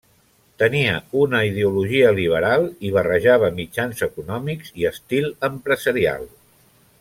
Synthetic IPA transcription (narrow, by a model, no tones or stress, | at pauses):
t̪əniəunəið̞euluʒiəliβ̞əɾalˠiβ̞ərəʒaβ̞əmid͡ʒanzəkunɔmikziəst̪ilˠəmpɾəzəɾia̰lˠ